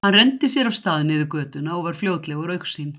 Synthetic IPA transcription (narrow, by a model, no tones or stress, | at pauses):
hanrɛnt̪ɪsjɛɾawst̪aːðnɪðʏkœːt̪ʏnaɔɣvaɾ̥fljoːwt̪lɛɣʏɾœɥksin